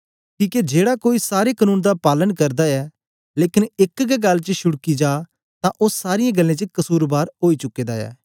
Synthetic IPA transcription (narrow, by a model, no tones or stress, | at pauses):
kiːked͡ʒeːɽakoːisaːɾekənuːnd̪apaːlənkɐɾd̪aɛː | leːkɪnɪkɡɛɡɐlːt͡ʃəʃʊɽkid͡ʒaː | t̪ãʔʊsaːɾɪjẽɡɐlːẽt͡ʃəkɐsuːɾbaːɾɦoːit͡ʃʊkːeːd̪aɛ̰ː